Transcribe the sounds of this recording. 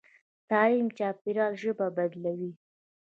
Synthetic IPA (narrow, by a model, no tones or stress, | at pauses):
t̪ɑlimt͡ʃɑp̚iɾɑlʒəbabad̪lawi